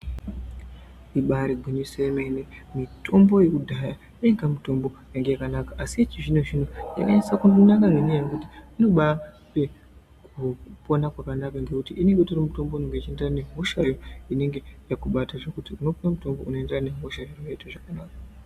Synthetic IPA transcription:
iɓaɾiɡʱiɲuseemenemitʰo̞mbo̞jekudʱaja | jeiŋɡamuto̞mbo̞jaŋɡe̞jakanakaʔasiet͡ʃiʐinoʐin̤oja̰kaɲaisakunonakaŋenijajokutiino̞ɓa | pe̞ | kupo̞nakwakanakaŋɡe̞kutiʔine̞ŋɡetorimuto̞mbo̞uneŋɡeit͡ʃie̞nderaneɦoʃajoine̞ŋɡe̞jakuɓataʐekutiuno̞ponamuto̞mbo̞uno̞e̞nderane̞ɦoʃajorojeteʐakanaːkḁ

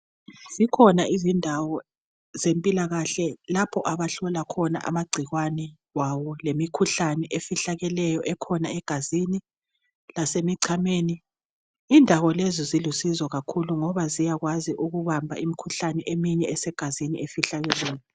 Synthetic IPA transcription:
z̥ikʰɔnaizindʱawɔ | zempʼilaɣaɬɛlapʰɔʔaβaɬɔlakʰɔna̰ʔa̰maɡ͡ǀʱiɣwanɛ | wawɔlemikʰuɬanɛʔefiɬaɣɛlɛjɔʔɛkʰɔnaɛɡ̥ʱazini | lasemiǀʰameːniː | ndʱaɣɔlezizilusizɔɣakʰuluŋɔβazijaɣwaziʔuɣuβambʱa̰imikʰuɬanɛʔemiɲɛɛsɛɡ̥ʱazinḭefiɬaɣɛlɛːjɔ

